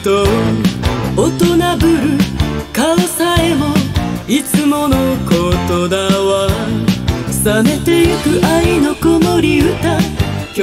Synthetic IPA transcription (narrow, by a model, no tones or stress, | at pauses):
t̪o | ot̪onabɯ̟ɾɯ̟kaɯsaemoit͡sɨmo̞nokot̪od̪aβa | sane̞t̪e̞jɯkɯ̟ʔainokomoɾʲiɯ̟t̪a